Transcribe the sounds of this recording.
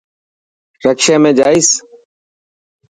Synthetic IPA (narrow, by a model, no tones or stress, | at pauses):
ɾəkʃaːmẽːd͡ʒaːɪːs